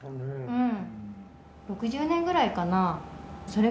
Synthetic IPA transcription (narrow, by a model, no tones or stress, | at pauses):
ɯ̟̃ɴ | ɾo̞kɯ̟ʑɨːnẽŋɡɯ̟ɾaikanaso̞ɾe̞